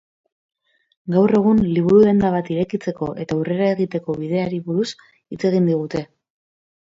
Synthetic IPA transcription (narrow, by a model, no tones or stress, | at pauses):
ɡawre̞ɣ̞unliβuɾuðe̞nd̪aβ̞at̪iɾe̞kit͡se̞ko̞ʔe̞t̪aure̞ɾae̞ɣit̪e̞ko̞βið̞e̞aɾiβuɾus | it͡se̞ɣind̪iɣ̞ut̪e̞